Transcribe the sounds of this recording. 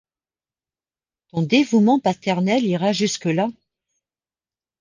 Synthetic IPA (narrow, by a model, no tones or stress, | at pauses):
t̪ɔ̃d̪evumɑ̃pat̪ɛʁnɛliʁaʒyskəla